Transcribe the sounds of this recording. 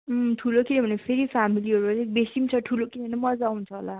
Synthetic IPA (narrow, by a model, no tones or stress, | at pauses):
ʈʰulokinebʌnepʰeɾipʰamiliɦʌɾuʌɾek̚besimt͡sʰʌʈʰulokinebʱʌnemʌd͡zawunt͡sʰʌɦo̰la